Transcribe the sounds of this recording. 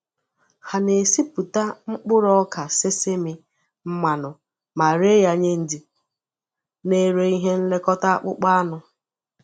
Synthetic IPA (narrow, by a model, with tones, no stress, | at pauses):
ha˨ne˨si˦pu˨ta˦ŋ͡m̩˦k͡pʊ˦ɾɔ˦ka˨se˦sɪ˦mɪ˦ | m̩˦ma˨nʊ˨ | ma˨ɾe˦ja˨ɲe˦n̩˦dɪ˨ | ne˨ɾe˨i˦ɦe˦n̩˦le˦kɔ˦ta˦a̰˦k͡pʊ̰˦k͡pa˦a˦nʊ˨